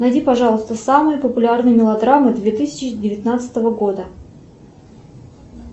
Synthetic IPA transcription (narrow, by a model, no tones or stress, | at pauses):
nɐjdʲipɐʐɑlˠəst̪əsamɨjəpəpʊlʲarnɨjəmʲɪlˠɐd̪ɾamɨd̪vʲet̪ɨsʲɪt͡ɕɪdʲɪvʲɪt̪nat̪sɨ̥t̪əvəɡo̞d̪ə